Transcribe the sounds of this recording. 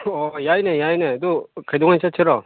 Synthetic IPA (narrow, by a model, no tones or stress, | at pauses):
ʌjainejainetokedoŋant͡ɕʰat͡ɕʰeɾʌ